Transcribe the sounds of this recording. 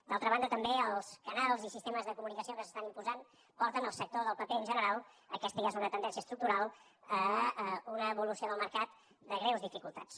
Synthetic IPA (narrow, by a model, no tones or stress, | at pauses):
d̪alˠt̪ɾəβand̪ət̪əmbeəlˠskənalˠzisist̪eməzðəkumunikəsiokəsə̥st̪animpuzan | pɔɾt̪ənəlˠsək̚t̪oðəlˠpəpeənʲʒənəɾalˠ | ə̰kɛst̪əjezunət̪ənɛnsiəst̪ɾuk̚t̪uɾalˠ | əəunəːβulusioðəlˠməɾkat̪ | d̪əɣɾewzðifikulˠt̪a̰t͡s